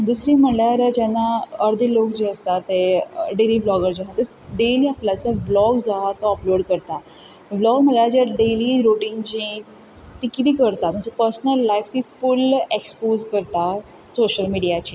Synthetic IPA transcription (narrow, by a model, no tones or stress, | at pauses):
d̪usɾiːm̤əɳljaɾd͡ʑɛnːaəɾd̪ʱilokd͡ʑiəst̪at̪ːeɖeliːblɔɡəɾd͡zaɦat̪ːəs | ɖeliaplat͡saʋlɔɡd͡zaɦat̪ɔɔploɽkəɾt̪a | ʋlɔɡm̤əɳlaɾd͡ʑjaɖeliɾoʈĩŋɡd͡ʑĩ | t̪ikit̪iːkəɾt̪at̪məɳsəpəɾsnəlːaift̪ifulekspozkəɾt̪a | soɕəlmiɽijat͡ɕiː